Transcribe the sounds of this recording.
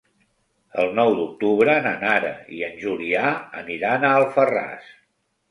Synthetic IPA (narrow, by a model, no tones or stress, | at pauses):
ə̰lˠnɔwd̪uk̚t̪uβɾəːnanaɾə̰iənʲʒuliaə̰niɾanaəlˠfəra̰s